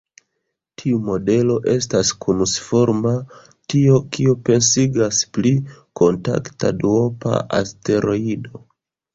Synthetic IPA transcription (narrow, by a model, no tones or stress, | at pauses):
tʰiumo̞de̞lo̞ʔe̞staskunusfo̞ɾma | tio̞kiope̞nsiɡasplikʰo̞nta̰kta̰duo̞pa̰ʔa̰ste̞ɾʔo̞ido̞